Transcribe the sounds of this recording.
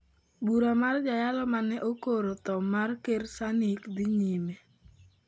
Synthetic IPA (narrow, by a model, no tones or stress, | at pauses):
buɾamard͡ʒajalɔmanɛʔokoɾot̪ɔmarkersanikd̪iɲime